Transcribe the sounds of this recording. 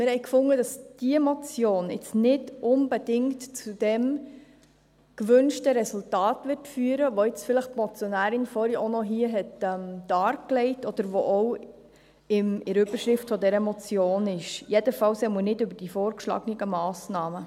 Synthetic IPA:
mɪɾhɛɪkfʊŋəd̥ɑsd̥iɛmɔt͡sjoːnɪ̰t͡snɪdʔʊnbedɪŋtt͡sud̥ɛm | kʋʏnʃtəɾɛsultɑːtʋɪɾtfyːəɾəʋoɪt͡sfɪləχpmɔt͡sjɔnæːɾɪnfɔɾiʔonɔɦiːəɦɛtɛmd̪̥ɑːɾklɛɪtɔd̥̪əɾʋoʔɔw | ɪmɪɾʏbəɾʃɾɪftfɔdɛɾəmɔt͡sjoːnɪʃjɛdəfɑwsɛmənɪdʏbəɾd̥ifoːɾkʃlɑ̰ɡəniɡəmɑːsnɑːmə

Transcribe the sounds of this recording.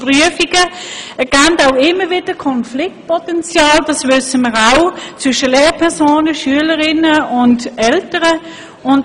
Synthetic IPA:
pʁyəfiɡəɛɐɡ̥antaʊɪmːəʋɪd̥əkʰɔnflɪk̚t̚pʰɔtɛnt͡sjɑːld̥ɑsʋʏsəməʁaʊt͡sʋʏʃəleːʁpʰɛʁsoːnəʃyələʁɪnəʊndɛltəʁə | ʊn

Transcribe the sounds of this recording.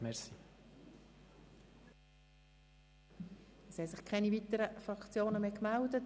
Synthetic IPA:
mɛsi | ɛshɛsɪχkʰɛnivit̪əɾəfɾɑkt͡sjoːnəmeːkmældət

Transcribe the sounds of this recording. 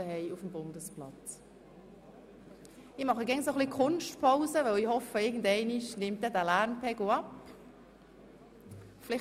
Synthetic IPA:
əhɛɪufəm̩bʊndəsplɑ̰t͡s | ɪmɑχəɡɛŋsoχlikʰχʊnʃtpʰaʊzəʋœwihɔfəɪɡən̩dɛɪnɪʃnɪmt̚dɛːdæːlæɾnpɛɡoɑp | flɪ

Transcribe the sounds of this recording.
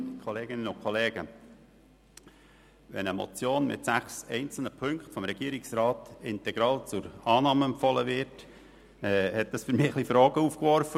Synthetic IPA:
kʰɔleːɡɪnənʊkʰχɔleːɡ̥ə | ʋɛ̰nəmɔ̰t͡sjoːnmɪ̰tsæχsɛɪnt͡sl̩nəpʰɵŋkχtfɔmɾɛɡ̥iəɾɪksɾɑːtɪntɛɡ̥ɾɑːlt͡sʊɾɑːnɑːməɛmpfɔləvɪɾt | ɛhɛt̚d̥ɑsfʏɾmɪːəχlifɾoːɡ̥əuːfkʋɔɾfə

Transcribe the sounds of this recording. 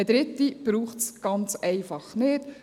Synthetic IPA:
ɛd̥̪ɾɪt̪ːib̥ɾuːχtsɡ̥ɑnt͡sɛɪfɑχnɪːt

